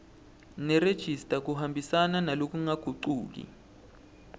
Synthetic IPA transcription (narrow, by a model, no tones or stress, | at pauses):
nɛred̥ʒ̥ʱistʼak̬uɦambʱisananalok̬uŋaɡ̥ʱuǃuːk̬ḭ